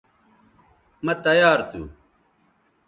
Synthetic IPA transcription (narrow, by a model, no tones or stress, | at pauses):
mɐt̪ɐjaːɾt̪ṵ